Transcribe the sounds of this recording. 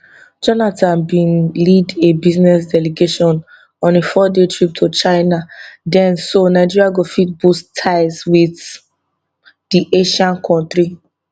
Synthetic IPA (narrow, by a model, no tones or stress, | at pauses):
d͡ʒɔnatʰãnbĩnlidebiznɛs̬dɛleɡeʃɔ̃n | ɔ̃nefɔdetʰɹip̚tʰot͡ʃaɪnadɛ̃nsonaɪd͡ʒiɹiaɡofit̚bustʰaɪswiθ | diʔeʃãnkʰɔ̃ntɹi